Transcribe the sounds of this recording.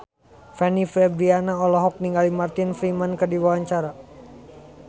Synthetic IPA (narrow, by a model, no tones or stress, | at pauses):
fɛnifɾɛbɾianaɔlɔɦɔk̚niŋɡalimart̪ɪnfɾimankərdiwawaɲt͡ʃaɾa